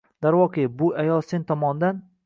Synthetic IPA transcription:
d̪aɾwɒqʰebʊajɒlˠsent̪ʰɒmɒnd̪an

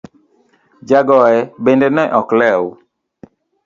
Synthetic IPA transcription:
d͡ʒaɡɔɛbendenɛʔɔklɛw

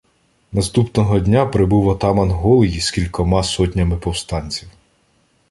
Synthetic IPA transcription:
nɐst̪upnɔɦɔdʲnʲapɾɪbuwɐt̪ɑmɐnɦɔlˠɪjiskʲilʲkɔmɑsɔtʲnʲɐmɪpɔwst̪ɑnʲt͡sʲiw

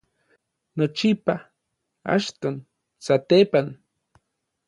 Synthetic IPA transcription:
not͡ʃipa | a̰ʃt̪on | sat̪epan

